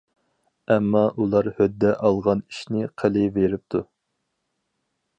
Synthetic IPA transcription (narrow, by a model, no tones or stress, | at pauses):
ɛmːɑʔulˠɑɾhød̪ːɛʔɑlˠʁɑni̥ʃnɪqʰəlɪveɾɪp̚t̪ʰu